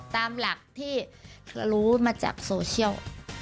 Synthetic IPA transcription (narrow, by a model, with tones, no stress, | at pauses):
t̪aː˧mla˨˩k̚t̪ʰiː˥˩a˧ɾuː˦˥maː˧t͡ɕa̰ː˨˩k̚soː˧t͡ɕʰi˥˩əw